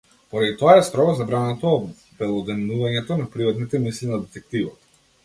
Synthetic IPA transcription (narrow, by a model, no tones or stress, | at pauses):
pɔɾad̪it̪ɔaɛst̪ɾɔɡɔzabɾanat̪ɔː | bɛlˠɔd̪ɛnuvaɲɛt̪ɔnapɾivat̪nit̪ɛmisinad̪ɛt̪ɛk̚t̪ivat̪